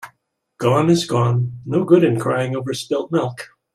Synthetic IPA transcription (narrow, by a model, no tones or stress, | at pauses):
ɡ̥ɔ̃nɨzɡɔ̃nːoʊɡʊɾɨ̃nkʰɹ̥aɪɪ̃ŋoʊvə˞spɪlˠt̚mɪlˠk